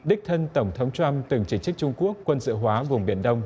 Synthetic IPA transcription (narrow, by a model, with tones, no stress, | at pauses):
ɗï˦˥k̟̚t̪ʰə˧nt̪ə˧˩wŋ͡mt̪ʰə˨˦wŋ͡mt͡ɕwa˧mt̪ɨ˨˩ŋt͡ɕi˧˩t͡ɕɨ˦˥k̚t͡ɕʊ˧ŋ͡mku˦˥əkːwə˧nzɨ̰˧˨ɦwaː˨˦vʊ˨˩ŋ͡mɓi˧˩ənɗə˧wŋ͡m